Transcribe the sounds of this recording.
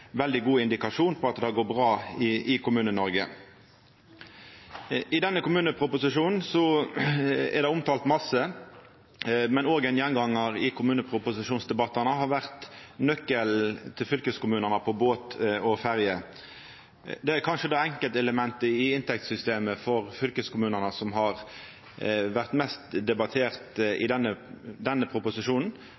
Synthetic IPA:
ʋɛld̪ɪɡuːɪnd̪ɪkɑʂuːnpʰɔɑt̪̚d̪ɛhɑɡoːbʁɑːɪʔɪkʊmʉːnənɔɾɡə | ɪd̪ɛnːəkʊmʉːnəpʰʁʊpʊsɪʂuːnn̩sɔ | ɛ̰ɾd̪ɛʊmt̪ʰɑːlt̪mɑsə | mɛnoːɡɛnjɛnɡɑŋːəʁɪkʰʊmʉːnəpʰʁʊpʊsɪʂuːnsd̪ɛbɑt̪ːəʁnəɦɑɾʋæʁt̪nœkːəlt̪ʰɪlfʏlkəskʊmʉːnəʁnəpʰɔboːt̪ɔfæʁjə | d̪ɛæɾkʰɑnʂəd̪ɑːɛŋkəlt̪ɛləmɛnt̪əɪɪnt̪ʰɛk̚t̪sʏst̪eːməfɔʁfʏlkəskʊmʉːnənəsɔmɦɑʁ | ʋæʁt̪mɛst̪d̪ɛbɑt̪ʰeːʁt̪ɪ̰d̪ɛnːəd̪ɛnːəpʰɾʊpʊsɪʂuːnn̩

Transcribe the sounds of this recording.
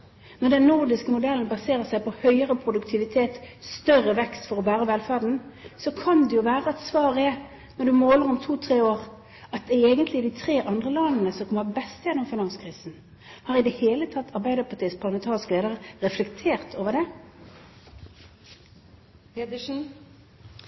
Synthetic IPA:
nɔd̪ɛnːʊʁd̪ɪskəmʊd̪ɛlənbɑseːʁəsæɪpʰɔhœʏəʁəpʰʁʊd̪ʉkt̪ʰɪʋɪt̪ʰeːt̪st̪œrəʋɛkst̪fɔʁɔbæːʁəʋɛlfæːɖn̩sɔkʰɑnd̪ɛjʊʋæːʁəɛt̪sʋɑːʁɛ | nɔd̪ʉmoːləʁɔmt̪ʰuːt̪ʰʁeːoːʁ | ɑt̪̚d̪ɛɛːɡənt̪lɪd̪ɪt̪ʰʁeːʔɑnd̪ʁəlɑnnəsɔkɔmːəbɛst̪jɛnɔmfɪnɑnskʰʁiːsn̩ | hɑːʁɪd̪ɛheːlət̪ʰɑt̪ʰːɑʁbæɪd̪əpʰɑt̪iːəspʰɑʁləmɛnt̪ʰɑːʁɪskəleːd̪əʁəʁɛflɛkt̪ʰeːʁt̪ʰoːʋəd̪ɛ

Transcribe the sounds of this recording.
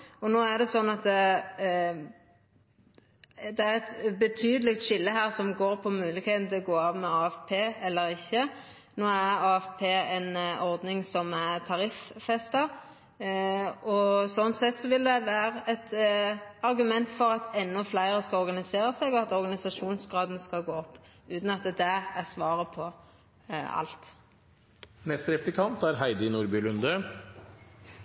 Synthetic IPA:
ɔnoːæʁd̪ɛsɔnːɑt̪ | d̪ɛæɾɛt̪bət̪ʰyːd̪əlɪkt̪ʃɪlːəɦæːʁsɔmɡoːɾpʰɔmʉːlɪɡheːt̪n̩t̪ʰɪlɔɡoːɑːʋmɛɑːɛfpʰeːɛlːəɾɪçːə | noːæɾɑːɛfpʰeːɛnɔʁd̪nɪŋsɔmæʁt̪ʰɑɾɪffɛst̪əɾ | ɔsɔnsɛt̪sɔʋɪld̪ɛʋæːɾəɛt̪ | ɑɾɡʉmɛnt̪fɔʁɑt̪ɛnːɔflæɪʁəskɑɔɾɡɑnɪseːʁəsɛɡɔɑt̪ɔɾɡɑnɪsɑʂuːnsɡʁɑːd̪n̩skɑɡoːɔpː | ʉːt̪n̩ɑt̪əd̪ɛæsʋɑːʁəpʰɔ | ɑ̰lt̪ | nɛst̪ɾɛplɪkʰɑnt̪æɾɦæɪd̪ənuːɾbʏlʉnd̪ə

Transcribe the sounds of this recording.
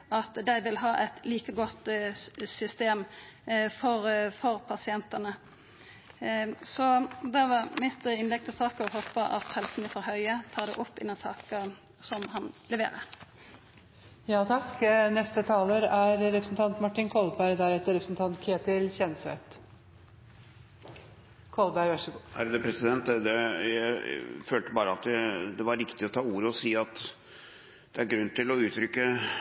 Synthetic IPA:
ɑt̪d̪æɪʋɪlɦɑːʔɛt̪liːkəɡɔt̪sʏst̪eːm | fɔɾfɔɾpʰɑsɪɛnt̪ənə | sɔd̪æʋɑmɪst̪əɪnlɛɡ̚t̪ʰɪlsɑːkəɔɦɔpːəʔɑ̰t̪hɛlsənɪsəɾhœʏət̪ʰɑːd̪ɛ̰ʔɔpːɪ̰nənsɑ̰ːkə | sɔmhɑnlɛʋḛːɾə̰ɾ | jɑːt̪ʰɑkːnɛst̪ət̪ʰɑːləɾæɾɾɛpɾəsnt̪ʰɑnt̪mɑʈːɪnkʰɔlbæɪɾd̪æɾɛt̪ːəɾɛpɾəsnt̪ʰɑnt̪kʰeːt̪ɪlçɛnsɛt̪ | kʰɔlbæɪɾʋɑʂəɡuhæɾd̪ɛpʰɾɛsɪd̪ɛnt̪d̪ɛjæɪføːlt̪əbɑːɾəɑt̪æd̪ɛʋɑɾːɪkt̪ɪɔt̪ʰɑːuːɾəɔsiːɑt̪ | d̪̥ɛæɾɡɾʉnːt̪ɪlɔʉːt̪ɾʏkːə

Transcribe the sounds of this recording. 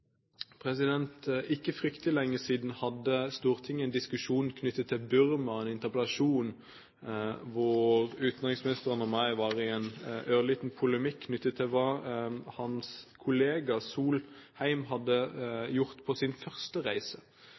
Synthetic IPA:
pʰʁɛsɪd̪ɛnt̪ɪkːəfʁʏkt̪əlɪlɛŋːəsiːd̪n̩hɑd̪ːəst̪uːʁt̪ʰɪŋːəɛɪnd̪ɪskʉʃuːnn̩kʰnʏt̪ːət̪ʰːɪlbʉɾmɑɛnɪnt̪əʁpəlɑʃuːn | ʋʊʁʉːt̪n̩ʁɪŋsmɪnɪst̪əʁənɔmɑɪʋɑʁɪɛnøːliːt̪n̩pʰʊləmɪkʰːnʏt̪ːət̪ʰːɪlʋɑhɑnskʰʊleːɡɑsuːlhæɪmɦɑd̪ːəjʊʁt̪pʰɔsɪnfœʁst̪əʁæɪsə

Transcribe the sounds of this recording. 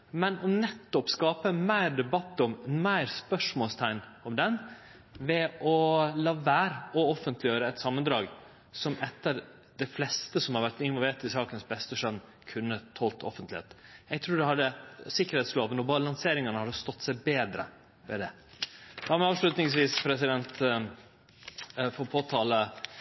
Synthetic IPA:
mɛnɔnɛt̪ːɔpskɑːpəmæɪɾd̪ɛbɑt̪ːɔmmæɪɾspœʂmoːlst̪ʰæɪnɔmd̪ɛn | ʋɛɔlɑːʋæːɾɔɔfənt̪ʰlɪjøːɾəɛt̪sɑmːənd̪ɾɑːɡ | sɔmɛt̪ːəɾ | d̪̥ɛflɛst̪əsɔmhɑɾʋæʈɪnʋɔlʋeːʈɪsɑːkənsbɛst̪əʂœnː | kʰʉnːət̪ʰɔlt̪ʰɔ̰fənt̪lɪḛːt̪jæɡ̚t̪ʰɾuːɖ̪ɛhɑd̪ːəsɪkːəɾhɛːt̪sloːʋənɔbɑlɑŋseːɾɪŋɑnəhɑd̪əst̪ɔt̪ːsæɪbeːd̪ɾə̰ | ʋɛ̰d̪ɛ | d̪ɑːɾmɛɑːʋʂɭʉːt̪nɪŋsʋiːspʰɾɛsɪd̪ɛnt̪ | fɔɾpʰoːt̪ʰɑːlə

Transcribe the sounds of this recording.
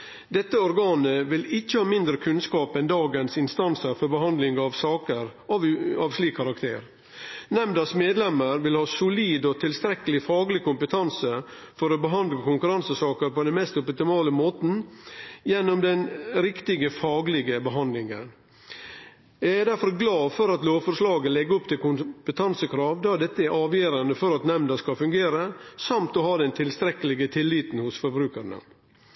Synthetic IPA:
d̪ɛt̪ːəɔɾɡɑːnəʋɪlɪt͡ʃːəhɑːmɪnd̪ɾəkʰʉnskɑːpɛnd̪ɑːɡənsɪnst̪ɑnsəɾfɔɾbəhɑnd̪lɪŋɑʋsɑːkəɾɑʋɑʋʂliːkʰːɑɾɑkt̪ʰeːɾ | nɛmd̪ɑsmeːd̪lɛməɾʋɪlhɑːsʊliːd̪ɔt̪ʰɪlst̪ɾɛkːəlɪfɑːɡlɪkʊmpət̪ʰɑnsə | fɔɾɔbəɦɑnd̪lɑkʰʊŋkʉɾɑnsəsɑːkəɾpɔd̪ɛnmɛst̪ɔpt̪ɪmɑːləmoːt̪n̩jɛnːɔmd̪ɛnɾɪkt̪ɪɡəfɑːɡlɪɡəbəɦɑnd̪lɪŋən | jæɡæd̪æɾfɔɾɡlɑːfɔɾɑt̪loːʋfɔɾʂlɑːɡəlɛɡəɔpt̪ɪlkʊmpət̪ʰɑnsəkʰɾɑːʋd̪ɑːd̪ɛt̪ːəæɾʔɑːʋjeːɾɑnəfɔɾɑt̪nɛmnd̪əskɑfʉŋɡeːɾəsɑmt̪ɔhɑːd̪ɛnt̪ʰɪlst̪ɾɛkəlɪɡət̪ʰɪlːiːt̪n̩hʊsfɔɾbɾʉːkəɾɳə̰

